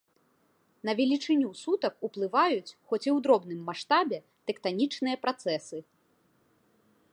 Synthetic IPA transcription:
nɐvʲɛlʲit͡ʂɨnʲusut̪ɐkuplˠɨvajut͡sʲxɔt͡sʲiwd̪ɾɔbnɨmːaʂt̪abʲɛ | t̪ɛkt̪anʲit͡ʂnɨjɐpɾat̪sɛsɨ

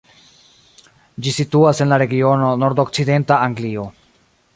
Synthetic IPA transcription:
d͡ʒisituasenlaɾe̞ɡio̞no̞no̞ɾdo̞kt͡side̞ntaaŋɡlio̞

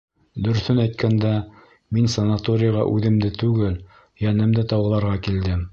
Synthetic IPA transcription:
d̪ɵ̆ɾθɵnæjt̪̚kʰænd̪æ | minsɐnat̪oɾʲɪjaʁɑ̰ʔʉðɘ̆md̪ɘt̪ʉɡɘl | jænɘ̆md̪ɘt̪ɑwʁɤ̆lˠɑɾʁɑkild̪ɘm

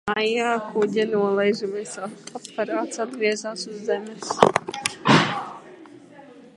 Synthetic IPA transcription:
majaːkʰuɟʲɛnuɔlˠɛjʒumɛsaɔppɛɾaːt̪sad̪̚ɡɾiɛzaːsuzːɛmʲɛs

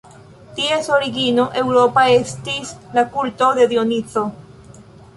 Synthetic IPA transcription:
tieso̞ɾiɡinoʔe̞wɾopae̞stislakulto̞d̪e̞d̪ionit͡so̞

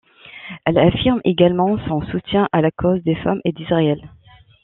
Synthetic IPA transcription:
ɛlafiʁmeɡalmɑ̃sɔ̃sut̪jɛ̃ʔalakʰozd̪efamʔed̪izʁaɛl

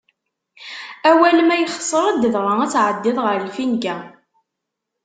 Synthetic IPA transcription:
æwælmæjχə̥sˤːəɾˤæd̪əðɾˤɑæt͡sːʕəd̪ːɪðˤʁəɾlfinɡæ

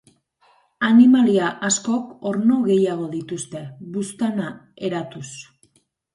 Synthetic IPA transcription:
animaliaʔasko̞ko̞ɾno̞ɣe̞jaɣ̞o̞ðit̪ust̪e̞βust̪ana | e̞ɾat̪us

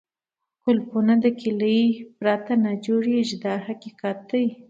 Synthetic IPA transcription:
kʊlpunad̪əkiləipɾat̪anad͡ʒoɽiʒd̪ɑɦakikɑt̪əj

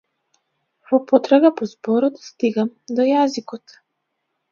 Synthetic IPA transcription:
vɔpɔt̪ɾaɡapɔzbɔɾɔt̪st̪iɡamd̪ɔjazikɔt̪

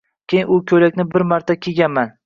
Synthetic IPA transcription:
kʲejʊkʲʰɵlakʲnɪbɪɾmaɾt̪ʰakʲʰeɡʲanman

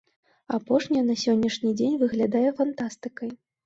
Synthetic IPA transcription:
apɔʂnʲijɐnɐsʲɔnʲːɐʂnʲid͡zʲenʲvɨɣlʲad̪ajɛfant̪ast̪ɨkɐj

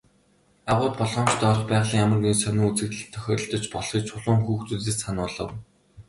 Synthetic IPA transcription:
aʁʊːt̪̚pɔɮʁɞːnmt͡ɕt̪ɔɾɞ̆χpæːʁɮiːŋjamə̆rɡuisœnuːŋut͡sɘ̆kt̪ɮɘ̆t̪ʰːœxʲɔːɾɞ̆ɬt̪ɞ̆t͡ɕpɔɮχiːt͡ɕʰʊɮʊːŋxuːxt͡suɮeːsanʊːɮə̆w

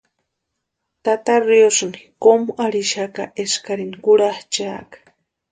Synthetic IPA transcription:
t̪at̪aɾjosnikomuʔaɾiʃaka̰ʔeskaɾinikuɽaht͡ʃaːkḁ

